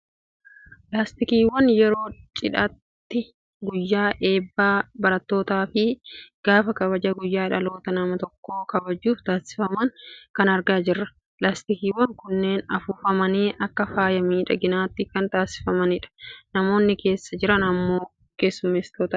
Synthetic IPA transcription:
plaːst̪ɪkiːwɐnjɛɾo̞ːt͡ʃʼɪᶑɐt̪ːɪ | ɡʊjːaːʔe̞ːbːaːbɐɾɐt̪ːo̞ːt̪aːfɪɡ̥aːfɐkɐβɐd͡ʒɐɡʊjːaːɪᶑɐlo̞ːt̪ɐnɐmɐt̪ɔkːo̞ːkɐbɐd͡ʒːuːft̪aːsɪ̥fɐmɐŋkɐnɐɾɡaːd͡ʒɪrːɐ | plaːst̪ɪkiːwɐŋkʊnːe̞ːnɐfuːfɐmɐneːʔɐkːɐfaːjɐmiːᶑɐɡɪnaːt̪ːɪkɐnt̪aːsɪ̥fɐmɐnɪᶑɐ̥nɐmo̞ːnːɪke̞ːsːɐd͡ʒɪɾɐnɐmːoː | ke̞ːsːʊmeːst̪oːt̪aː

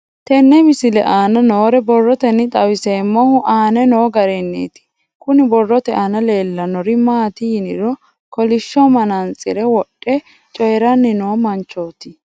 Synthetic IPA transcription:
t̪ɛnːɛmɪsɪlɛ̰ʔaːnɐnoːɾɛbɔrːɔt̪ɛnːɪt̪ʼɐwɪseːmːɔhʊʔaːnɛno̞ːɡɐɾɛnːḛːt̪ɪ̥ | kʊnɪbɔrːɔt̪ɛʔɐnɐle̞ːlːɐnɔɾɪmaːt̪ɪjnɪɾɔ | kɔlɪʃːɔmɐnɐnt͡sʼːɪɾɛwɔɗʼːɛ | t͡ʃʼɔjɾɐnːɪno̞ːmɐnt͡ʃːo̞ːt̪ɪ

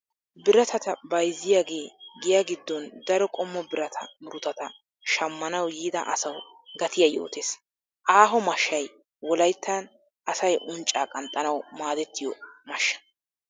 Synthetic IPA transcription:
bɪɾɐt̪ʰɐt̪ɐbɐjzːɪjaːɡe̞ːɡɪjaɡɪd̪ːɔnd̪ɐɾɔkʼɔmːɔbɪɾɐt̪ʰɐ̰mɪɾʊt̪ɐt̪ɐ | ʃɐmːɐnɐwjiːd̪ɐ̰ʔɐsɐw | ɡɐt̪ɪjɐjo̰ːt̪eːs | ʔaːɦɔmɐʃːɐj | wɔlɐjt̪ːɐn | ʔɐsɐjʔʊnt͡ʃʼːaːkʼɐnt̪ʼːɐnɐwmaːd̪ɛt̪ːɪjɔmɐʃːɐ̥

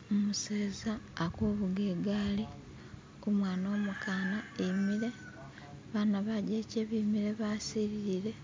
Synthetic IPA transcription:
omuseːzaːkoːβuɡeɡaːli | kumwaːnoːmukaːnaemiɾe̞ | βaːnaβaɟeːceβimiɾe̞βaːsiɾiɾiɾe̞

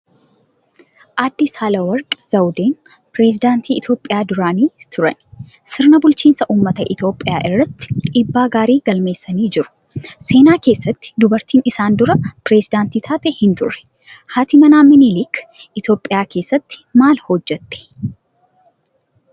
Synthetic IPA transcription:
ʔaːd̪ːɪsaːlɐwɐɾkʼz̥ɐwd̪eːn | pɾeːsɪd̪aːnt̪iːɪt̪jo̞ːpʼːɪjaːd̪ʊɾaːniːt̪ʰʊɾɐ̰n | sɪɾnɐbʊlt͡ʃiːnsɐʔuːmːɐt̪ɐʔɪt̪jo̞ːpʼːɪjaːʔɪrːɐt̪ːɪ̥ɪbːaːɡaːɾiːɡɐlme̞ːsːɐniːd͡ʒɪɾʊ̥ | se̞ːnaːke̞ːsːɐt̪ːɪ̥d̪ʊbɐɾt̪iːnɪsaːnd̪ʊɾɐpɾeːsɪd̪aːnt̪iːt̪ʰaːt̪ɛhɪnt̪ʊrːɛ̥ | haːt̪ɪmɐnaːmɪnilik | ʔɪt̪jo̞ːpʼːɪjaːke̞ːsːɐt̪ːɪ̥maːlhɔd͡ʒːɛt̪ːɛ̥

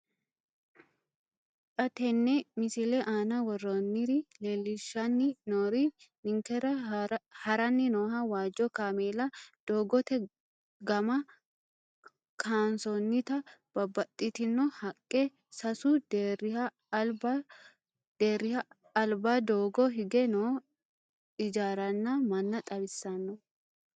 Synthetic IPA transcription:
t͡ʃɐt̪ɛnːɛmɪsɪlɛʔaːnɐwɔrːonːɪɾɪleːlːɪʃːɐnːɪnoːɾinɪŋkɛɾɐhɐɾɐnːɪnoːɦɐwaːd͡ʒɔkaːmeːlɐd̪̥oːɡɔt̪ɛ | ɡɐmɐ | kʰaːnsɔnːɪt̪ɐb̥ɐbːɐt̪ʼːɪt̪ɪnːɔhɐkʼːɛ | sɐsʊd̪eɪhɐ | b | d̪eːrːɪhɐː | lbad̪oːɡɔɦɪɡɛnoː | ɪd͡ʒaːɾɐnːɐmɐnːɐt̪ʼɐbɪsːɐnːɔ

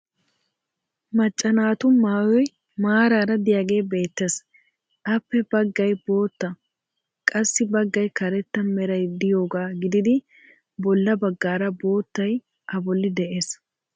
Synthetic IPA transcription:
mɐt͡ʃʼːɐnaːt̪ʊnmaːwɔj | maːɾaːɾɐd̪ɪjaːɡe̞ːbe̞ːt̪ːe̞ːs | ʔɐpːɛbɐɡːɐjbo̞ːt̪ːɐ | kʼɐsːɪbɐɡːɐjkɐɾɛt̪ːɐmɛɾɐjd̪ɪjo̞ːɡaːɡɪd̪ɪd̪ɪ | bɔlːɐbɐɡːaːɾɐbo̞ːt̪ːɐj | ʔɐbɔlːɪd̪ɛʔe̞ːs

